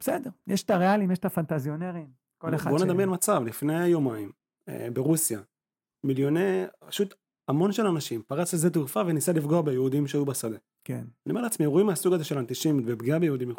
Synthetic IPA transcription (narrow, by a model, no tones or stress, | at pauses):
besedeʁjeʃt̪aʁealimjeʃtafant̪azjoneʁim | kolexaboned̪amjenmat͡savlifne̞jajomaim | ḛbeʁusja | miljo̞nepḁʃut̪ | amo̞nʃelanaʃimpaʁat͡slezet̪uɣfavenisalifɡoabejeud̪imʃeajubesad̪e | kḛnaniomeleat͡smiʁoimeasuɡazeʃe̞lant̪iʃimbebɡiabejeud̪imj